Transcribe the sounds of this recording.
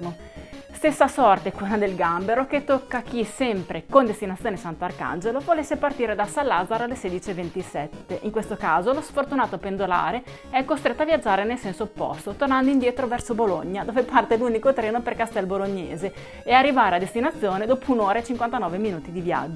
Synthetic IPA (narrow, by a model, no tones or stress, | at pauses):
o | st̪esːasɔrt̪ekunad̪elɡambeɾoket̪ːokːak̟isɛmpɾekond̪est̪inat̪sːjoːnesant̪oarka̰nd͡ʒelovolesːepart̪iːɾed̪asalːaːzaɾoalːeseːd̪it͡ʃievent̪isɛt̪ːeʔiŋkwest̪okaːzolosfort̪unaːt̪oapend̪ola̰ːɾe | ɛkːost̪ɾet̪ːoavjad͡ʒːaːɾenelsɛnsoːpːo̰st̪ot̪ornand̪oind̪jɛːt̪ɾovɛrsobolo̰ɲːad̪oːvepart̪eluːnikot̪ɾɛːnoperkast̪ɛlboloɲːeːze | earːivaːɾead̪est̪inat̪sːjoːned̪ɔːpounoːɾaet͡ʃiŋkwant̪anɔːveminuːt̪id̪ivja̰d͡ʒːo